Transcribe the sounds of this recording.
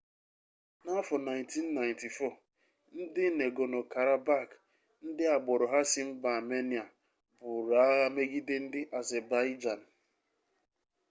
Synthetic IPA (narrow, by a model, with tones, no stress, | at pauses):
na˦fɔ˨na˨jnti˦nː˦a˨ɪ˨nti˨fɔ˦˨ | n̩˦dɪ˦ne˨ɡo˨no˨ka˨ɾa˨ba˦˨k | n̩˦dɪ˦a˨ɡ͡bɔ˨ɾʊ˨ɦa˦sɪ˦m̩˦ba˨me˦ni˨a˨ | bʊ˨ɾa˨˦a˦ɣa˦me˦ɡi˦dɪ˦n̩˦dɪ˦ʔa˨zɛ˨ba˦i˦d͡ʒa˨n̩˨